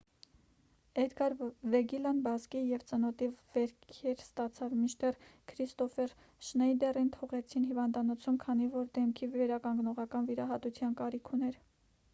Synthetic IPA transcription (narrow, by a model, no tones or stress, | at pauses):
ɛd̪ɡɑɾvɛɡilɑnbɑzkijɛvt͡sənɔt̪ivɛɾkʰɛɾst̪ɑt͡sʰɑvmit͡ʃt̪ɛrkʰɾist̪ɔfɛɾ | ʃnɛjd̪ɛrint̪ʰɔʁɛt͡sʰinɦivɑnd̪ɑnɔt͡sʰumkʰɑn̪ivɔɾd̪ɛmkʰivɛɾɑkɑŋɡnɔʁɑkɑnviɾɑɦɑt̪ut͡sʰjɑnkɑɾikʰunɛɾ